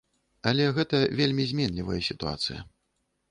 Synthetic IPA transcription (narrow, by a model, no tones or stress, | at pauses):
ɐlʲɛɣɛt̪ɐvʲelʲmʲizʲmʲɛnlʲivɐjɐsʲit̪ua̰t̪sɨjɐ̰